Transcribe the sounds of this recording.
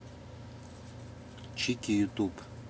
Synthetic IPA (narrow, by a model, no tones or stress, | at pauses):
t͡ʃʰikijut̪ʼup